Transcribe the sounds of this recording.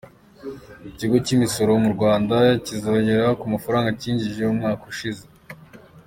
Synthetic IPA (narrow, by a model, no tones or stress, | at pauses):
iciɡo̞cimiso̞ɾo̞muɾɡwaːndacizoːɲɟe̞ɾakumafaɾaːŋɡaciːɲɟiʒe̞umŋaːkuʃize